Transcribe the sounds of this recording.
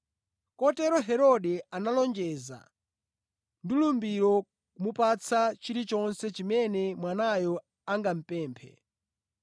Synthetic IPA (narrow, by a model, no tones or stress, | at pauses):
kɔtɛɾɔɦɛɾɔɗɛanalɔnd͡ʒɛza̰ | ndilumbiɾɔ | kumupat͡sʰat͡ʃiɾit͡ʃɔnsɛt͡ʃimɛnɛmwanajɔ | aŋɡam̩pɛːmpʰɛ̰